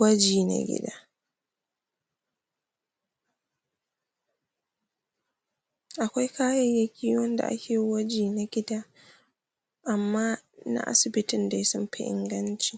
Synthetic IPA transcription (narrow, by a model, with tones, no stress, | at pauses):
ɐ˦d͡ʒiː˨na̰˨ɡʲɪ̰˦daː˦ | ʔa˨kʷa˦jkaː˦jɛ˦˨jɐ˨kʰʲiː˦wɔ˦nda̰˨ʔa̰˦kʲeː˨wɐ˦d͡ʒiː˨na˨ɡʲɪ˦daː˦ | ʔa˨mːaː˦na̰˦ʔa̰˦sɪ˨bɪ˦tɪ˨nda˨jsɔ˦mɸɪ˦ʔɪ̰˦ŋɡɐ˦nt͡ʃi̥˨